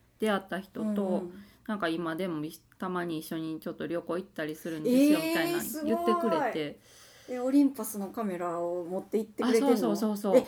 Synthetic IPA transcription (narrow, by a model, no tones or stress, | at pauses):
d̪̥e̞at̪ːaçi̥t̪o̞t̪o̞nãŋkaimad̪e̞mo̞i | t̪amaɲ̟iːɕːo̞ɲ̟it͡ɕo̞t̪ːo̞ɾʲo̞ko̞ːit̪ːaɾʲisɨɾɯ̟̃neesɨjomit̪aiã̰sɨɡjɯot̪ːe̞kɯ̟ɾe̞t̪e̞ | eoɾʲĩmpasɨno̞kame̞ɾaomot̪ːe̞it̪ːeaɯɾsoeːso̞ːso̞ːso̞ː